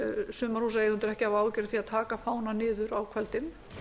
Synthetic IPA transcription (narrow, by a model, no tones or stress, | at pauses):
sʏːmaɾhuːs̬ajʏnt̪ɪɾɛhcɪavaːwcɛɾɪθiaðt̪ʰaːkafaːwnanɪːðʏɾawkʰvɛlt̪ɪm